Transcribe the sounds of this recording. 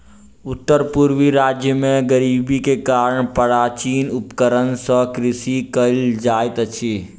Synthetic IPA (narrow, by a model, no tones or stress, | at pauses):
ʊt̪ːəɾpʊɾʋiɾaːd͡ʒjəmẽɡəɾiːbikekaːɾəɳpəɾaːt͡ʃiːnʊpkəɾənsɔkɾɪsikəld͡ʒaːɪt̪ət͡ʃʰiː